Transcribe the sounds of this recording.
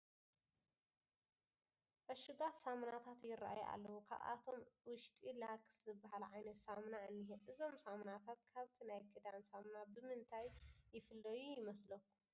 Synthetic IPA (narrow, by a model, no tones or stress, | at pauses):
ʔɨʃuɡasamnat̪ʰat̪jɪraʔa̰ja̰lːɐwukʰa̰βa̰t̪ʰo̞mwʊʃt̪ʼilakʼszɨbːahalʕajnɐt̪samnaʔɨnːiɦeʔɨzo̞msamnat̪ʰat̪̚kʰaβt̪ʰinajkʰɨd̪ansamnabɨmɨnt̪ʰajːɪfɨlːɐjujɪmɐslɐkːu̥